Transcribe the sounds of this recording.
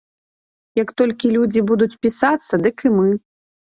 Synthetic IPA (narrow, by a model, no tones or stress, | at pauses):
jɐkt̪ɔlʲkʲilʲud͡zʲibud̪ut͡sʲpʲisat̪sːɐd̪ɨkɨmɨ